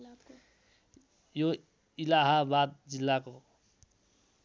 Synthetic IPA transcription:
jo | ilaɦabad̪̚d͡zilːako

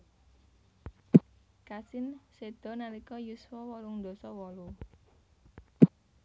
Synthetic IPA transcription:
kasɪnsed̪̥ɔ̤nalikɔjusfɔwɔluŋd̪ɔ̤sɔwɔlu

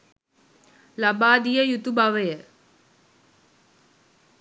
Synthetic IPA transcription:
labaːd̪ijəjut̪ubaʋəjə

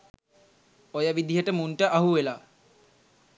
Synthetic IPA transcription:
ojəʋid̪iɦəʈəmunʈəʔaɦuʋelaː

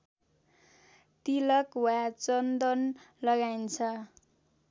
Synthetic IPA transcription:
t̪ilʌkwat͡sʌnd̪ʌnlʌɡajnt͡sʰʌ

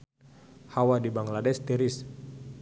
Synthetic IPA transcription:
hawadibaŋladɛst̪iɾis

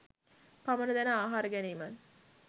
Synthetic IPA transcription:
pamənəd̪ænəaːɦaːɾəɡæneːmən

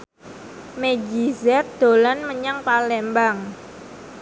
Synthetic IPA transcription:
meɡizɛt̪̚d̪̥o̤lanməɲaŋpalɛmbaŋ

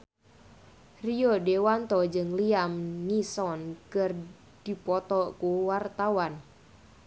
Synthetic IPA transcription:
riɔdewant̪ɔd͡ʒɨŋliamnisɔnkɨr | d̥ipɔt̪ɔkuwart̪awan

